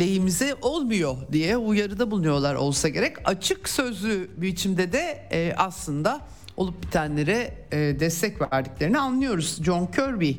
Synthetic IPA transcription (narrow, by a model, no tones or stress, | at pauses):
lʲejimizɛʔolˠmujo̞d̪ijɛujaɾɯd̪abulˠunujo̞lˠaɾo̞̰lˠsaɟe̞ɾɛcat͡ʃʰɯksø̞zlʲybiit͡ʃʰimd̪ɛd̪ɛʔaslˠɯnd̪a | o̞̰lˠup̚bi̥t̪ʰænlʲe̞ɾɛd̪ɛst̪ʰɛcvæɾd̪iclʲe̞ɾinianlːˠɯjo̞ɾuz̥d͡ʒo̞ŋcʰøɾbi